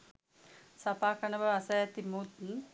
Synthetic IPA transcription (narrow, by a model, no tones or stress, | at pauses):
sɐpaːkɐnɐbɐɐsɐjɐt̪imuːt̪n